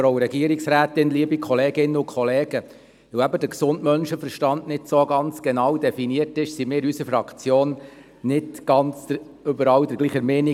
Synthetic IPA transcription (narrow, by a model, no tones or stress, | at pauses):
ɾoʊɾɛɡiəɾiksɾæːtɪnliəbikχɔleːɡɪnːəʊkʰχɔleːɡ̥ə | ʋəwæbədəɾksʊndmœnʃəfəɾʃtɑndnɪtsoɡɑnt͡sɡ̥ɛnɑwdɛfiniəɾtɪʃsimɪːɾysəfɾɑkt͡sjoːn | nɪtɡ̥ɑnt͡sə | ʏbəɾɑːwd̥əɾɡ̥liːχəɾmeːni